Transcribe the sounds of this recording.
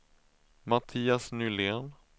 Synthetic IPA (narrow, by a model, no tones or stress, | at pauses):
mat̪ʰiːasnʏleːn